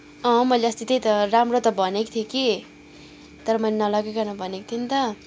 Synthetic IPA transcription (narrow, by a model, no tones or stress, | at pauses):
ʌ̃mʌjleʌst̪it̪ʌjt̪ʌramrot̪ʌbʱʌnekt̪ʰjeki | t̪ʌɾʌmʌjlenʌlʌɡekanʌbʱʌnek̚t̪ʰint̪ʌ